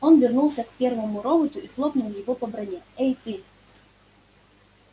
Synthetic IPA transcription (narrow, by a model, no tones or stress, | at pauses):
ɔnvʲɪrnulˠsʲɐkpʲɛrvɐmʊɾɔbɐt̪ʊixlˠɔpnʊlˠjɪvɔpɐbɾɐnʲɛɛjt̪ɪ